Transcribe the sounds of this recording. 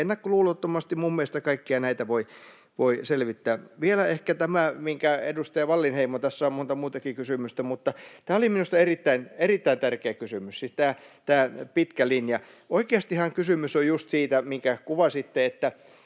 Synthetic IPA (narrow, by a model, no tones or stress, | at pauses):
enːækkoluːlot̪ːomɑst̪imummielest̪ækɑikːiɑnæit̪æʋoi | ʋoiselʋit̪ːæːʋielæehkæt̪æmæmiŋkæḛdust̪ɑjɑʋɑlːinheimot̪æsːæommont̪ɑmuːt̪ɑkikysymyst̪æmut̪ːɑt̪æːoliminust̪ɑerit̪ːæinerit̪ːæint̪ærkeæːkysymyssist̪æːt̪æːpit̪kælinjɑ | oikeɑst̪ihɑŋkysymysojust̪siːt̪æmiŋkækuʋɑsit̪ːeet̪ːæ